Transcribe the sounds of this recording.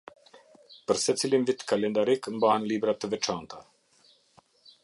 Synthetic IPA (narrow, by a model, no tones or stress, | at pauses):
pəɾsɛt͡silimvit̪kalɛnd̪aɾikmbahanlibɾat̪əvɛt͡ʃant̪a